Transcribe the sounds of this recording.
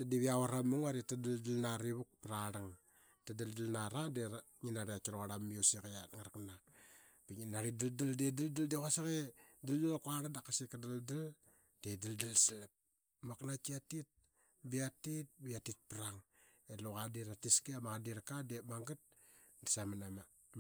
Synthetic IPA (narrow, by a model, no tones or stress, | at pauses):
dadiβiawaɾamuŋaɾitadaldalnaɾiβuk̚pɾaɾaŋ | tadaldalnaɾade | ŋinaɾiat͡ʃiɾoɣaɾamːiosikajatŋaɾkna | piŋinaɾidaldaldedaldaldekasaɣe | daldalkuaɾadakasikadaldal | dedaldalsilap̚ | maknakiatit̚ | biatit̚biatit̚pɾaŋ | eloɣadiɾatiskiamaɣadiɾakademaŋɡat̚ | disamanama